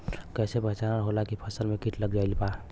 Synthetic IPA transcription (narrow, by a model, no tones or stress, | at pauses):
kɛsebʱəɦt͡ʃanaɾɦolakipʰəsəlmekiʈləɡd͡ʒailpa